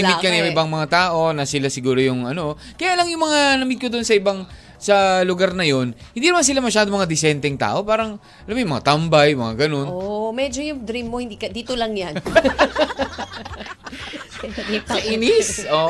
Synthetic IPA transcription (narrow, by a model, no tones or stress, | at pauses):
ɪmmɪkːɐnɪbaŋmɐŋat̪aːʔo̞nɐsɪlasɪɡuːɾo̞jʊŋʔɐno̞kɐjaʔlɐŋjʊŋmɐŋanɐmɪd̚kod̪ʊnsɐʔɪbaŋ | sɐlʊɡaɾnɐjo̞nhɪnd̪iːnmans̬ɪlamɐʃaːd̪omɐŋad̪ɪsɛnt̪ɛŋt̪a̰ːʔo̞paːɾɐŋ | ʔɐlamjʊŋmɐŋat̪ɐmbɐjmɐ̰ŋaɡɐno̞nmɛd͡ʒojʊŋd̪ɾimːohɪnd̪ikɐd̪iːt̪olɐŋjan | ɐɐʔinɪsʔo